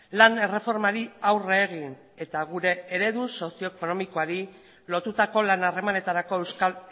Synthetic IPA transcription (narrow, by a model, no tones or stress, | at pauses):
lane̞re̞fo̞ɾmaɾiawre̞ːɣ̞in | e̞t̪aɣuɾe̞eɾe̞ðuso̞sio̞eko̞no̞miko̞aɾi | lo̞t̪ut̪ako̞lanare̞mane̞t̪aɾako̞ewska